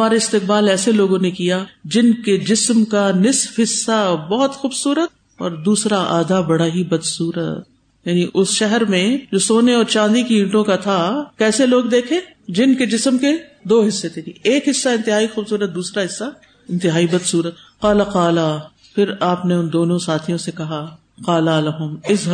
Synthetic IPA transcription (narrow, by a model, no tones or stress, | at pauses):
maːɾeɪst̪ɪq̚baːlɛːseloːɡõnekijad͡ʒɪnked͡ʒɪsmkanɪsfɦɪsːabɔːɦɔt̪xuːbsuːɾət̪̚ | ɔ̰ːɾd̪uːsɾaʔaːd̪abɐɽaɦibɐd̪suːɾə̰t̪̚ | jaːniʔʊsʃɛɦɛɾmẽd͡ʒoːsoːneɔːɾt͡ʃãːnd̪ikiĩːɳʈõkat̪ʰakɛːseloːɡd̪eːkʰẽː | d͡ʒɪnked͡ʒɪsəmked̪oːɦɪsːet̪ʰeieːkɦɪsːaɪ̃nt̪ɪɦaːixuːbsuːɾət̪̚d̪uːsɾaɦɪsːa | ɪ̃nt̪ɪɦaːibɐd̪suːɾət̪qaːlaqaːla | pʰɪɾaːpneʊnd̪oːnõsaːt̪ʰijõsekɐɦa | qaːlalaɦʊmɪzɦ